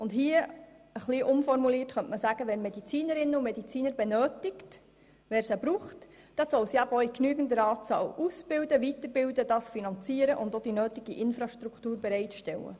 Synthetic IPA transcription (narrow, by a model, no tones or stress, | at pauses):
ʊndɦiəəχliːʔʊmfɔrmuliːrtχœntməsæɡ̥əʋɛnmɛdit͡siːnəɾɪnːəumɛd̥it͡siːnəɾbɛnøːtɪkt | ʋɛːɾsæbɾuːχt | d̥ɑsɔlsiæbɔiknyːɡən̩dəɾɑːt͡sɑ̰ːlusb̥ɪwdəʋit̪əɾbɪldəd̥ɑːsfinɑnt͡siːəɾəʔʊnd̪od̥inøːtɪɡ̥iʔɪnfɾɑʃt̪ɾuktuːɾbɛɾɛɪtʃtɛlə̰